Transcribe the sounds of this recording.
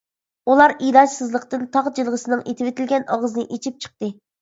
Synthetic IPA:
ulˠɑɾijlɑd͡ʒ̪sɨzlˠəqt̪ɨnt̪ʰɑʁd͡ʒilˠʁəsɨnɨŋʔet̪ʰɪvɪt̪ʰɪlɡʲɛnʔɑʁəzɨnɨʔet͡ʃʰip̚t͡ʃʰə̥q̚t̪ɨ

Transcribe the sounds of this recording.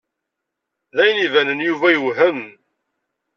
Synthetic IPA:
ðæjənivænənjuvæjuɦəm

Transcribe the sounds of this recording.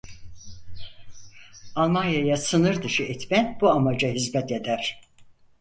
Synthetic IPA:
alˠmanjajasɯnɯɾd̪ɯʃɯɛt̪mænbuamad͡ʒaɦizmɛt̪e̞d̪æɾ̥

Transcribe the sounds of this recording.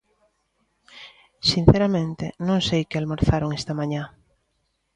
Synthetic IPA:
sin̟θeɾamẽnt̪enõŋsejkɪalmoɾθaɾoŋest̪amãɲã

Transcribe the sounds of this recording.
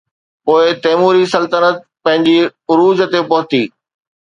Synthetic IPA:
poːɪt̪eːmuːɾisɐlt̪ənət̪̚pɐ̃ɦɪ̃ɲd͡ʑiʊɾuːzə̆t̪epɐɦʊt̪iː

